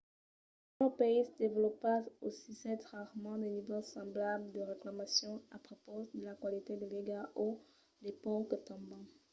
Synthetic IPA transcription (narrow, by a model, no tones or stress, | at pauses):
ɔ̃peisəd̪evlɔpaosisɛt̪ʁaʁmɑ̃d̪enivɔsɑ̃blabld̪əʁeklamasjɔ̃apχopod̪əlakwalit̪ed̪eleɡaʔo | d̪epɔ̃kət̪ɑ̃bɑ̃